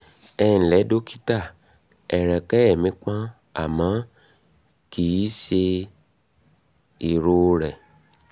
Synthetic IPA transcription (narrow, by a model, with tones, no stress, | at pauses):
ɛ˧ñ̩˨lɛ˨˦do˦ki̥˦ta˦˨ | ɛ˨ɾɛ˨kɛ˦ɛ˦˨mĩ˨˦k͡pã˦ | a̰˨mã˨˦ | ki˦ʃe˧ | i˨ɾo˧ɾɛ˨